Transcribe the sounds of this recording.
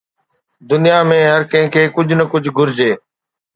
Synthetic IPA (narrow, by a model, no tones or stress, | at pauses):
d̪ʊnijaːmẽːɦəɾkə̃ɦɪ̃kʰeːkʊd͡ʒʱnəkʊd͡ʑʱɡʱʊɾd͡ʑeː